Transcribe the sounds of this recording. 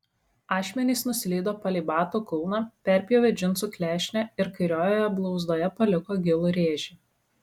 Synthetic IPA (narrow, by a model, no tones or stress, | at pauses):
ɑːʃʲmʲɛnʲiːˑsnʊsʲɪlʲɛɪd̪oːpɐlʲibɑːt̪uːkʊlˠnɑːpʲɛɾʲpʲɪjoːʋʲɛd͡ʒʲɪnt̪suːkʲlʲæːʃʲnʲɛɪɾkɐɪɾʲoːjoːjɛblˠɒʊzd̪oːjɛpɐlʲɪkoːɡʲɪlˠʊɾʲeːʒʲɪ